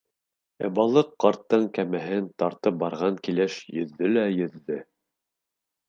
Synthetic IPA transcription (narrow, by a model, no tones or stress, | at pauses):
æ̰bɑlˠɤqːɑɾt̪ːɤɴkæmæɦɘnt̪ɑɾt̪ɤp̚bɑɾʁɑŋkilɘʃjɵ̆ðːɘlæjɵ̆ðːɘ